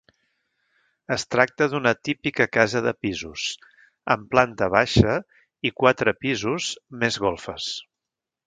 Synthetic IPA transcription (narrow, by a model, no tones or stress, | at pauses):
əst̪ɾak̚t̪əðunət̪ipikəkazəðəpizus | əmplant̪əβaʃə | ikwat̪ɾəpizuzmezɣolˠfəs